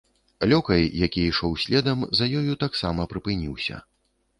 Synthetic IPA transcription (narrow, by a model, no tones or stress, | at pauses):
lʲɔkɐjːakʲiiʂɔwsʲlʲɛd̪ɐmzɐjɔjut̪aksamɐpɾɨpɨnʲiwsʲɐ̰